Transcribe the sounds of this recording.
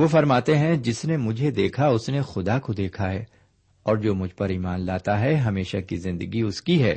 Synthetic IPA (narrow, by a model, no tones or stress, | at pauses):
ʋoːfɐɾmaːt̪eɦɛ̃d͡ʒɪsnemʊd͡ʒʱed̪eːkʰaʊsnexʊd̪akod̪eːkʰaɦɛː | ɔːɾd͡ʒoːmʊd͡ʒʱpɐɾiːmaːnlaːt̪aɦɛɦɐmeːʃakizɪ̃nd̪əɡiʊskiɦɛː